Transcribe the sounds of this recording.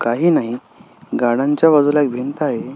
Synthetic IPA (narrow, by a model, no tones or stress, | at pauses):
kaɦiːnaɦi | ɡaɽaɲt͡ɕjaʋad͡zulaek̚bʱint̪aɦe